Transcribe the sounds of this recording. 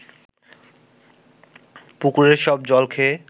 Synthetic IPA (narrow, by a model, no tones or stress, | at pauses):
pukuɾeɾʃɔb̚d͡ʑɔlkʰe